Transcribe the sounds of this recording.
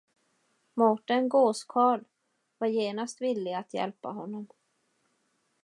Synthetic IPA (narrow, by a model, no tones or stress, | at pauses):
mɔʈanɡoːskʰɑːɭ | vaɾjeːnast̪vɪlːɪɡat̪jɛ̰lpa̰ɦɔnːɔm